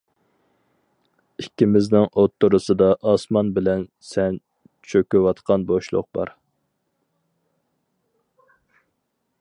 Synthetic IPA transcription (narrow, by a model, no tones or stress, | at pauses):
ikʲːimɪznɪŋot̪ːʊɾʊsɨd̪ɑʔɑsmɑnbɪlɛn | sɛn | t͡ʃʰøkʲywɑt̪qʰɑnboʃlˠʊ̰q̚bɑ̰ɾ